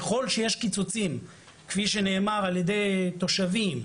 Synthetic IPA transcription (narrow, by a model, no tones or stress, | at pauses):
χo̞lʃeje̞ʃkit͡sot͡sim | kfiʃe̞ne̞ːmaʁaljed̪e̞jt̪o̞ʃavim